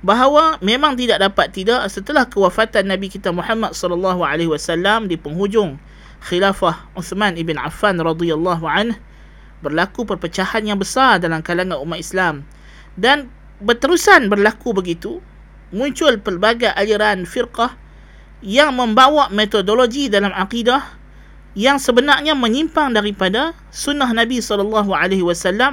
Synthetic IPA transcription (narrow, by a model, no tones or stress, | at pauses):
baɦawamẽmãŋt̪̬idaʔ̚dapat̪ːidaʔsət̪əlahkəwafat̪anːãbikit̪amuħamːat̪̚sɔləlːɑɦuʕaleɦiwasalːamdipəŋɦud͡ʒʊŋ | xilafahʊθmãnibɪnʕa̰fːanrɑd̪ialːɑɦuʕanh | bərlakupərpət͡ʃahanjaŋbəsardalamkalaŋanumːaislam | dan | bət̪əɾusanbərlakubəɡit̪u | mũɲt͡ʃʊlpərbaɡaʔaliɾanfirqɑh | jaŋmə̃mbawaʔmet̪odoloɡidalamaqidah | jaŋsəbənarɲamə̃ɲimpaŋdaɾipada | sunːaɦnãbisɔlɔlːɑɦuʕaleɦiwasalːam